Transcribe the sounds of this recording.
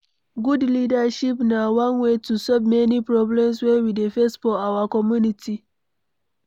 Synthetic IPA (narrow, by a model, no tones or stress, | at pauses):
ɡudlidaʃipnawãnwetusɔvmɛnipɹɔblɛ̃ms̬wɛ̃widefɛstfɔawakɔmjunitʰi